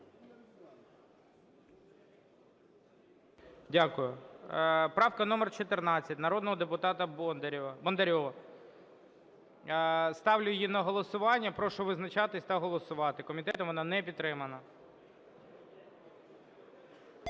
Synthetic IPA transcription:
dʲakʊjʊ | pɾɑwkɐnɔmɛrt͡ʃɔt̪ɪrnɑt͡sʲːɐtʲnɐɾɔd̪nɔɦɔd̪epʊt̪ɑt̪ɐ | bɐnd̪eɾʲɔʋɐ | st̪ɑʋlʲʊjjinɐɦɔlˠɔsʊʋɑnʲːɐpɾɔʃʊʋɪznɐt͡ʃɑt̪ɪsʲt̪ɐɦɔlˠɔsʊʋɑt̪ɪkɔmʲit̪ɛt̪ɔmʋɔnɑnɛpʲid̪t̪ːɾɪmɐnɐ

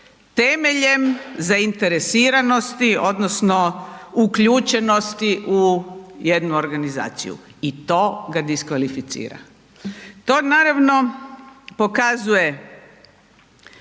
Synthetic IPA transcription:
t̪eme̞ʎe̞mzaint̪e̞ɾesiːɾano̞st̪io̞d̪nosno̞ukʎut͡ʃe̞no̞st̪iʔuje̞d̪nuo̞ɾɡaniza̰ːt̪sḭjṵ | it̪o̞ːɡad̪iskʋalifit̪sḭːɾa̰ | t̪o̞ːnaɾaʋno̞ | po̞kazuje̞

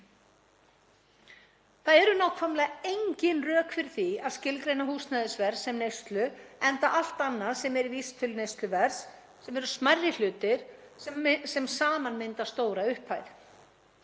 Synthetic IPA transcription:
θaðɛɾʏnawkʰfamlɛɣaejɲcɪnrœːkfɪɾ̥θiaðscɪlkɾejnaɦuːsnajðɪsvɛɾsːɛmnejst̪lʏɛnt̪aʔal̥t̪anːaðsɛmɛɾiviːst̪ʰɪlnejst̪lʏvɛɾ̥s | sɛmɛɾʏsmarːɪl̥ʏːt̪ɪɾ̥ | sɛmsaːmanmɪnt̪ast̪oːwɾaʏhphajð

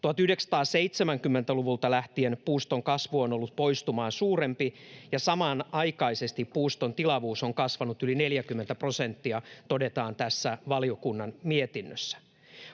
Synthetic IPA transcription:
t̪uɑt̪yhde̞ksɑ̥t̪ɑːseit̪semæŋkymːent̪æluʋult̪ɑlæht̪ienpuːst̪oŋkɑsʋuono̞lːut̪̚po̞ist̪umɑːnsuːrempijɑsɑmɑnɑjkɑise̞st̪ippuːst̪o̞nt̪ilɑʋuːso̞ŋkɑsʋɑnut̪ylineljækymːent̪æpro̞se̞nt̪ːiɑt̪ode̞t̪ɑːnt̪æsːæʋɑlijokunːɑnmiet̪inːøsːæ̥

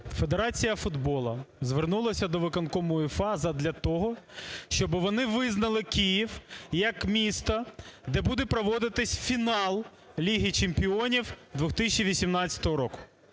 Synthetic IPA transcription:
fe̞d̪eɾɑt͡sʲijɐfʊd̪bɔlˠɐzʋernulˠɐsʲɐd̪ɔʋɪkɐnkɔmɔjʊfɑzɐd̪lʲɐt̪ɔɦɔʃt͡ʃɔbɪʋɔnɪʋɪznɐlˠɪkʲijiwjɐkmʲist̪ɐd̪ɛbud̪ɛpɾɔʋɔd̪ɪt̪ɪsʲfʲinɑlˠ | lʲiɦit͡ʃempʲiɔnʲiwd̪ʋʊxt̪ɪsʲt͡ʃiʋʲisʲimnɑt͡sʲːɐ̥t̪ɔɦɔɾɔkʊ̥

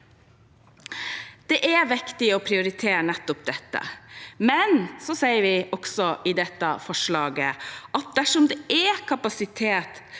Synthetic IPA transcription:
d̪̥ɛʔɛʋɪkt̪ɪɔpʰɾɪʊɾɪt̪ʰeːɾnɛt̪ːɔp̚d̪ɛt̪ːə̰mɛnsɔsɛɪəɾʋɪɔɡsɔʔɪd̪ɛt̪ːə̰fɔʂɭɑːɡəɑt̪̚d̪æʂɔmd̪ɛʔɛkʰɑpɑsɪt̪ʰeːt̪

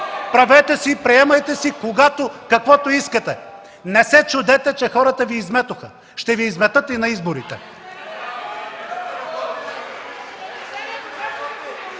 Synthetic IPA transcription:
pɾɐvɛt̪ɛsiːpɾiɛmɐjt̪ɛsikoɡat̪okɐkvɔt̪oiskət̪ɛ | nɛsɛt͡ʃʊd̪ɛt̪ɛt͡ʃɛxɔɾət̪əviːzmɛt̪ʊxə | ʃt̪ɛviːzmɛt̪ɤt̪inɐizboɾit̪ɛ

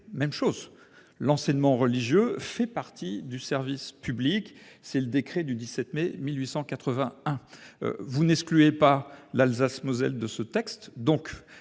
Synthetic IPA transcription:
mɛmʃoz | lɑ̃sɛɲmɑ̃ʁəliʒjøfɛpaʁt̪ʰid̪ysɛʁvispybliksɛləd̪ekχed̪yd̪isɛt̪memilɥisɑ̃kat̪χəvɛ̃ɛ̰̃ | vunɛksklyepalalzasmozɛ̰ld̪əsət̪ɛkst̪d̪ɔ̃k

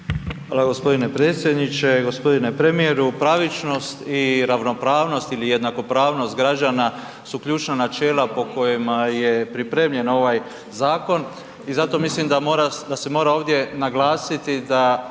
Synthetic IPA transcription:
xʋaːlˠaɡo̞spo̞d̪ine̞pɾe̞ːt̪sjed̪nit͡ʃe̞ɡo̞spo̞d̪ine̞pɾemijeɾupɾaʋit͡ʃno̞st̪iɾaʋno̞pɾaːʋno̞st̪ilije̞d̪nako̞pɾaːʋno̞st̪ɡɾad͡ʒana | sukʎuːt͡ʃnanat͡ʃeːlˠapo̞ko̞jemaje̞pɾipɾeːmʎe̞no̞ʋaj | zaːko̞n | izat̪o̞mislimd̪amoɾad̪ase̞mo̞ɾao̞ːʋd̪je̞naɡlˠaːsit̪id̪a

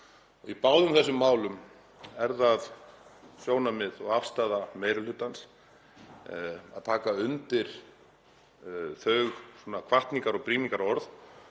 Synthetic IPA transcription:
ɔɣipawðʏmθɛsːʏmːaːwlʏm | ɛɾðað | sjoːwnamɪðɔɣafst̪aːðameːjɾʏlʏːt̪ans | a̰ðt̪ʰaːkaʏnt̪ɪɾ̥ | θœɥxswɔːnakʰvaht̪niŋkaɾɔɣpɾiːniŋkaɾɔɾθ

